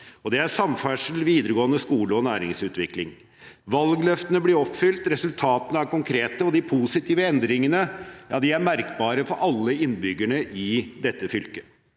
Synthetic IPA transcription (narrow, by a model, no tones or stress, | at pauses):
ɔd̪ɛæɾʂɑmfæʂəl̩ʋiːd̪əɾəɡoːənəskuːləɔnæːɾɪŋsʉːt̪ʋɪklɪŋ | ʋɑlɡlœft̪ənəblɪɾɔpfʏlt̪ɾɛsʉlt̪ʰɑːt̪ənəæɾkʊŋkʰɾeːt̪əɔd̪ɪpʰusɪt̪ʰiːʋəɛnd̪ɾɪŋənəjɑːd̪ɪæɾmæɾkbɑːɾəfɔɾʔɑlːəɪnbʏɡːæɳəʔɪd̪ɛt̪ːəfʏlkə